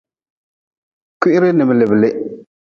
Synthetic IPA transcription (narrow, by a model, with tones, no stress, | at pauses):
kʊ˦ʔɪ˦ɾɪ˦nɨ˨m˨lɪ˨bɨ˨lɪ˦